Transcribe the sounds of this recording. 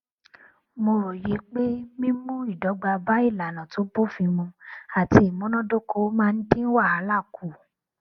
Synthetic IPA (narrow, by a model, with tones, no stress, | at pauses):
mo˧ɾo˨je˨˦k͡pe˦mĩ˦mũ˦i˦˨dɔ˨˦ɡ͡ba˧ba˦i˦˨la˨lã˨to˨˦bo˦˨fĩ˧mũ˧a˨ti˧i˨mõ˨˦nɔ̃˦do˦kʰo˧˦mãː˦˧n̩˦dĩ˦n̩˦wa˦˨a˨˦la˦˨kʰu˨